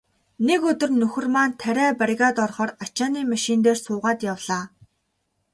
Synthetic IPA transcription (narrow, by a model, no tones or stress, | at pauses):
nekɵt̪ɵ̆rnɵxɵ̆rmaːnt̪ʰæɾʲæːpaɾʲɣaːt̪ɔrχɔːrat͡ɕaːniːmaʃint̪̬eːrsʊːʁaːt̪jawɮ̥aː